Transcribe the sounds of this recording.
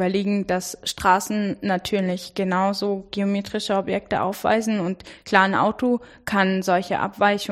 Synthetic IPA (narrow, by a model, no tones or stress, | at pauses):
ɐleːɡŋ̩dasʃtʁ̥aːsn̩natʰyːɐlɪçɡ̥ənaʊzoːɡ̥eomeːtʁ̥ɪʃəɔbjɛk̚təʔa̰ʊfv̥a̰ɪzn̩ʊntkʰl̥aɐnʔa̰ʊtokʰanzɔlçə̰ʔa̰pv̥aɪçʊ